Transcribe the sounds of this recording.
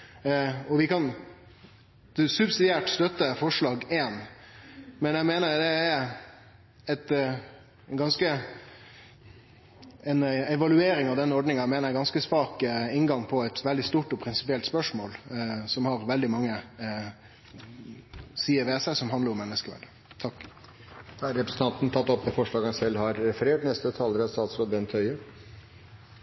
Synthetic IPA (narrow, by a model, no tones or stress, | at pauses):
ɔʋɪkʰɑn | sʉbsɪd̪ɪæːʈst̪œt̪ːəfɔʂɭɑːɡeːn | mɛnjæɪmeːnəɾd̪ɛː | ɛt̪ | ɡɑnskə | ɛnɛʋɑlʉeːɾɪŋɑʋd̪ɛnɔɖnɪŋɑæɪmeːnəɾæɪɡɑnskəsʋɑːkɪŋɡɑŋpʰɔɛt̪ʋɛld̪ɪst̪uːʈɔpʰɾɪnsɪpɪɛlt̪spœʂmoːlsɔmhɑɾʋɛld̪ɪmɑŋːə | siːəʋesæɪsɔmɦɑnd̪əɾɔmɛnːəskəʋæ̰ɖə | t̪ʰɑkː | hɑɾɾɛpɾəsən̩t̪ɑnt̪n̩t̪ʰɑt̪ːɔpːəfɔʂɭɑːɡɑnsɛlːhɑɾɾɛfəɾeːʈnɛst̪ət̪ʰɑːləɾɑst̪ɑːt̪sɾoːd̪bɛnt̪ʰœʏə